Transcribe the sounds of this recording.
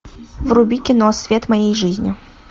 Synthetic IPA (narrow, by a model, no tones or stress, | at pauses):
vrʊbʲikʲɪnosʲvʲet̪mɐjejʐɨzʲnʲɪ̰